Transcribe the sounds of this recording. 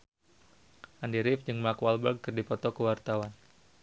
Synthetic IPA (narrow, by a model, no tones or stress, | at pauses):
ʔandiɾɪfd͡ʒɨŋmakwalbərɡ̚kɨrdipɔt̪ɔkəwart̪awan